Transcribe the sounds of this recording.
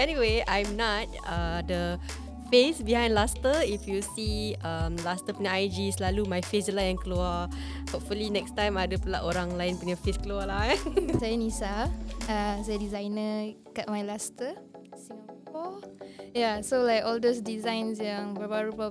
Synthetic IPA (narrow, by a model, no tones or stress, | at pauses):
ɛniweãjmnɔt̚ | adə | fesbiɦãjndlastəifjusiamlastəpənãajd͡ʒislalumajfeslajɛ̃nkluə | hapfulinɛkstãj̃madəpulaʔoɾãŋlajɪ̃npuɲafeskluəlasajənisaasajədizãjnə | kat̚majlastəsĩŋappɔjasolajkɔldosdizãjnsjãŋbəbaɾubə